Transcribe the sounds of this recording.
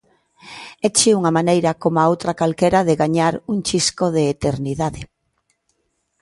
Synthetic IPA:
ɛt͡ʃiuŋamanejɾɐkomoaowt̪ɾakalkɛɾaðeɣaɲaɾuŋt͡ʃiskoðeːt̪eɾniðaðe

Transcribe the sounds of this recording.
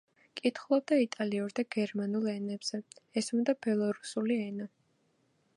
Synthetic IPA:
kʼit̪ʰχlˠɔb̚d̪ait̪ʼaliuɾd̪aɡɛɾmanulˠɛnɛbz̥ɛɛsmd̪ab̥ɛlˠɔɾusuliɛna

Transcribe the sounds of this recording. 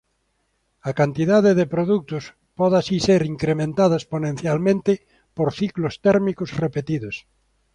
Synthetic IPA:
ɐkant̪iðaðeðepɾoðuk̚t̪ʊs | pɔðasiseɾiŋkɾemẽnt̪aðoesponẽn̟θjalmẽnt̪ɪ | poɾθiklost̪ɛɾmikosrepet̪iðos

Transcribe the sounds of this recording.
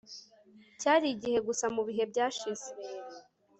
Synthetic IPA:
caːɾiɟihe̞ɡusamuβiɦe̞bɟaːʃiz̥e

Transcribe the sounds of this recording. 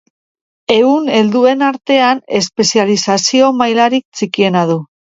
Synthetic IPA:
e̞une̞ld̪ue̞naɾt̪e̞ane̞spe̞sialisasio̞majlaɾik̚t͡sikie̞nað̞u

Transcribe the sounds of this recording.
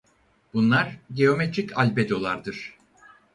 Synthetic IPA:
b̥unlˠaɾɟeo̞met̪ʰɾicʰalʲbed̪o̞lˠaɾd̪ɯɾ̥

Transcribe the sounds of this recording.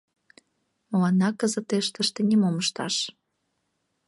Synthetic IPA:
məlɑnːɑkəzət̪eʃt̪əʃt̪enʲimoməʃt̪ɑ̰ʃ

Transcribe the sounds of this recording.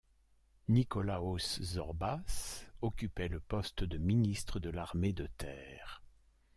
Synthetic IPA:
nikɔlaoszɔʁbasɔkʲypɛləpɔst̪d̪əminist̪χəd̪əlaʁmed̪ət̪ʰɛːʁ

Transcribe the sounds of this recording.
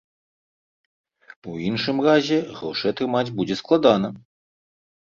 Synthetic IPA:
uinʂɨmɾaʑʲɛɣɾɔʂɐjat̪ɾɨmad͡zʲbud͡ʑʲɛsklˠad̪ana

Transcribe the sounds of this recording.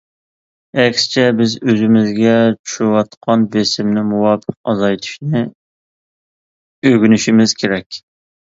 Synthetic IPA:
ɛkʲst͡ʃʰɛbɪzøzɪmɪzɡʲɛt͡ʃʰu̥ʃwɑt̪qʰɑnbesɪmnɪmuwɑːpʰə̥qɑzɑjt̪ʰu̥ʃnɪ | øɡʲynyʃimɪz̥kʲʰeɾɛkʲ

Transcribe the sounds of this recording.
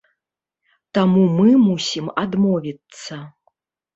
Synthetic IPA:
t̪amumɨmusʲimad̪mɔvʲit̪sːɐ

